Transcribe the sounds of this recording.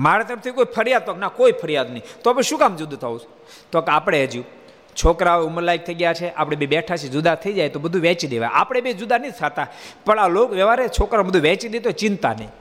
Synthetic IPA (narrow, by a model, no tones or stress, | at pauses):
maɾat̪əɾəft̪ʰikoipʰəɾijad̪̚t̪oknakoipʰəɾjad̪nəit̪oapɽeʃũkamd͡ʒud̪ʱt̪ʰaũt͡ʃʰ | t̪okapɽ̃eəd͡ʒjũ | t͡ʃʰokɾauməɾlajk̚t̪ʰəiɡjat͡ʃʰeʔa̰pɽ̃ebibɛʈʰat͡ʃʰed͡ʒud̪ʱat̪ʰəid͡ʒajt̪obəd̪ʱũʋɛ̃t͡ʃid̪eʋa̰j̰apɽ̃ebid͡ʒud̪ʱanəit̪ʰat̪apəɳalokʋɛʋaɾet͡ʃʰokɾabəd̪ʱũʋɛ̃t͡ʃid̪et̪ot͡ʃɪnt̪a̰nəi